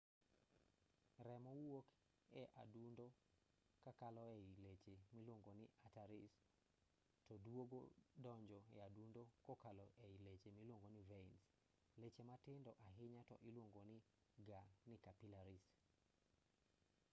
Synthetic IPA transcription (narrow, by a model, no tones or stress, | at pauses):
ɾɛmɔwwok | ɛʔa̰dundo | kakalɔɛilet͡ʃemilwoŋɡonɪʔataɾis | tɔdwoɡo̰dɔɲd͡ʒɔɛadundokokalɔʔɛilet͡ʃemilwoŋɡonɪvɛins | let͡ʃematɪndɔʔaɦɪɲatɔʔɪlwoŋɡonɪ | ɡanɪkapilaɾis